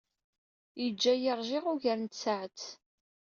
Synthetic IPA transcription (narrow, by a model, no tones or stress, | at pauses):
jid͡ʒːæjəɾˤʒɪʁʊʝəɾənt̪saʕət͡s